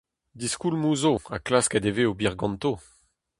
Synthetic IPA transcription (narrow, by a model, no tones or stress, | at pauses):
d̪iskulmuːzoa̰klaskɛd̪eveobiʁɡɑ̃nt̪o